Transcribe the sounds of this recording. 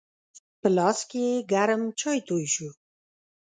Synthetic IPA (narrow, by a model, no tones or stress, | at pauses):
pəlɑskeeɡaɾəmt͡ʃɑjt̪ojʃu